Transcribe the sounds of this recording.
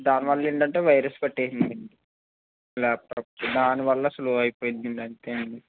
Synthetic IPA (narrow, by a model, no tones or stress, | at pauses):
d̪aːniʋɐɭːɐeɳɖɐɳʈeːʋɐjɾɐspɐʈːeːsind̪iɳɖi | laːp̚ʈɐpːd̪aːniʋɐɭːɐɐsɐluɐjipoːjind̪iɳɖɐnt̪eːuɳɖi